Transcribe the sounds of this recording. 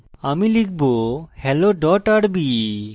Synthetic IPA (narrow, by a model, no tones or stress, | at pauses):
amilikʰbohɛloɖɔʈaɽbi